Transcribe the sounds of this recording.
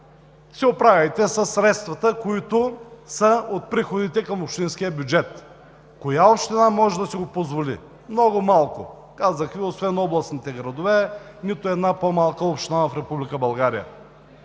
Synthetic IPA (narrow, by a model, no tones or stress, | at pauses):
sɛopɾavʲɐjt̪ɛsɐsːɾɛt̪st̪vɐt̪əkoit̪ʊsəot̪̚pɾixod̪it̪ɛkəmopʃt̪insk̟ijəbʲjʊd͡ʒɛt̪ | kojaopʃt̪inamɔʒɛd̪ɐsiɡopozvolḭ | mnɔɡʊmalˠkʊ̰ | kazəxviosvɛnɔblˠəsnit̪ɛɡɾɐd̪ovɛnit̪ʊɛd̪napomalˠkəopʃt̪inavɐfɾɛpublikəbɐlˠɡaɾḭjə̰